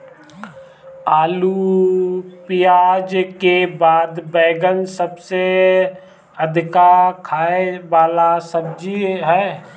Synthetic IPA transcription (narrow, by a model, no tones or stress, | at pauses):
aːlu | pɪjaːd͡ʒkebaːd̪bɛːɡənsəbse | əd̪ʱɪkakʰaːeʋaːlasəbd͡ʒiɦɛː